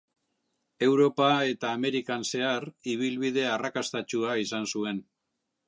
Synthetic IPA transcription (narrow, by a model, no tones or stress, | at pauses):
e̞wɾo̞pae̞t̪aːme̞ɾikanse̞ariβ̞ilβiðe̞arakast̪at͡ʃuaisansue̞n